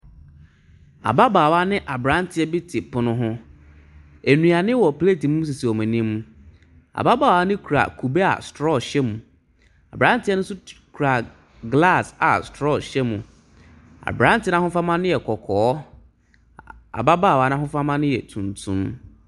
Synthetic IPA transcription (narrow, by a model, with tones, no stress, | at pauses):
a̰˨ba˦baː˨wa˦nɪ̃˦ʔa˨bɾã˦n˦tʰɪ˨˦ɛ˦bi˦tʰɪ˨pʰʊ˨nʊ̃˦ɦʊ̃˦ | æ˨nũ˨a˨nɪ̃˦wɔ˨ple˦˨ti˨mũ˦s̬i˨si˨ɔ˨mɛ̃˨nĩ˦mũ˦ | a̰˨ba˦baː˨wa˦nɪ̃˦kʰu˨ɾa̰˨kʰu˨be˦a̰˨stɾɔ˦˨ɕɛ˦mũ˨ | a̰˨bɾã˨˦n˦tɪ˦ɛ˦nʊ̃˦sʊ˦kʰu˨ɾa˨ | ɡla˦˨sa̰˨stɾɔ˦˨ɕɛ˦mũ˨ | a̰˨bɾã˨˦n˦tɪ˦nã˦hʊ̃˦fa˦mã˦nʊ̃˦jɛ˨kʰɔ˨kʰɔː˨˦ | a̰˨ba˦baː˦˨wa˨˦ñ˦ã˦ɦʊ̃˦fa˦mã˦nʊ̃˦jɛ˨tʰũ˨ntʰṵ̃˦m